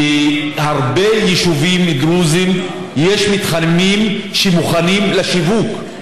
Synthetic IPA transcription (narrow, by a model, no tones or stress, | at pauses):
haʁbejɛʃuvimiɡɾuzim | jeʃmit̪χanmimʃemuχanimlaʃivuk